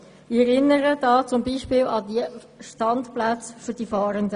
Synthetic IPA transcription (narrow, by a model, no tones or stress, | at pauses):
ɪɛɾɪnːəɾədɑːt͡sʊmbiːʃpɪːlɑdiə | ʃtɑntplæt͡sfyɾd̥ifɑːɾəndə